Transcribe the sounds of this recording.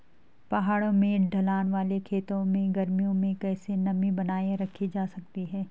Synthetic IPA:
pɐɦaːɽõmẽɖʱɐlaːnʋaːlekʰeːt̪õmẽɡɐɾmijõmẽkɛːsenɐmibɐnaːeɾɐkʰːid͡ʒaːsɐkt̪iɦɛː

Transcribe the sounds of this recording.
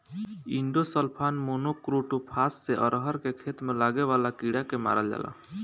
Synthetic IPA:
iɳɖosəlpʰanmonokɾuʈupʰasseʔəɾɦəɾkekʰet̪melaɡeʋalakiɽakema̰ɾəld͡ʒa̰la̰

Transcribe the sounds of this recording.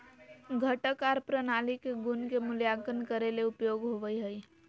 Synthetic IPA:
ɡʱəʈəkaɾpɾənaːlikeɡʊnkemʊljaːkənkəɾeleʊpjoːɡɦoʋəiɦəi

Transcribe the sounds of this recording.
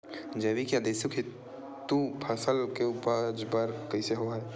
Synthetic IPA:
d͡ʒeːʋikjad̪eːsukʰɪt̪ː | upʰɐsəlkeuːpəd͡ʒpəɾkɐiseɦoaɦɛː

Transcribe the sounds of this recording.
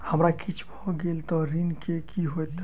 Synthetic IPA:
həmɾakit͡ʃʰbʱɔɡelt̪ɔɾinkekiɦojt̪

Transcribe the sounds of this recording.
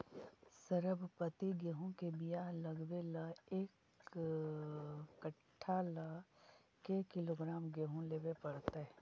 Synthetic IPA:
səɾəbʱpət̪iɡəɦõkebijaləɡʋeləeːk | kəʈʰːalə | kekɪloːɡɾaːmɡəɦõleːʋepɐɽt̪eɛ

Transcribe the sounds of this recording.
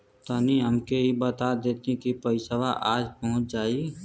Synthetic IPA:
t̪aːniɦəmkeɦibət̪ad̪eːt̪ekipəɪsəʋaʔaːd͡ʒpɐɦʊ̃t͡ʃd͡ʒaːi

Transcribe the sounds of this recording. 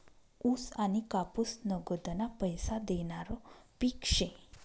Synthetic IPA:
usanikapusnəɡəd̪napəjsad̪eɳaɾɔpikʂẽ

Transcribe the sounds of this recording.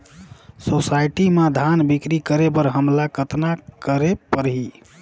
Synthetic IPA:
sosajʈimad̪ʱanbikɾikəɾebəɾɦəmlakət̪nakəɾepəɾɦi

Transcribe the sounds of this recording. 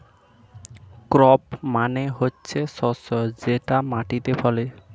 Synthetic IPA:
kɾɔpmaneɦotːɕʰesɔsɔd͡ʑeʈamaʈit̪efɔle

